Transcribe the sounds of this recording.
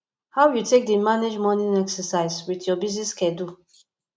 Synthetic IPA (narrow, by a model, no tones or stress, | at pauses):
hawjutʰek̚dimaned͡ʒmɔnĩnɛksəsaɪzwiθjɔbiz̬niskɛdu